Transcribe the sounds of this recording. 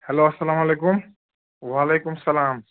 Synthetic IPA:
hɐloːɐsːɐlaːmaleːkʊm | waːleːkʊmsɐlaːm

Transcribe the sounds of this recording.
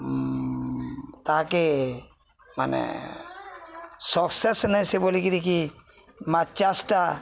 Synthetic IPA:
t̪aɦake | ma̰nḛ | sɔksesnajsebolikid̪iki | mat͡ʃasʈa

